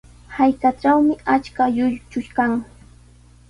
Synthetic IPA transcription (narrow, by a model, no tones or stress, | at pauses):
hajkaʈ͡ʂawmɪat͡ʃkajʊjt͡ʃʊʃkaŋ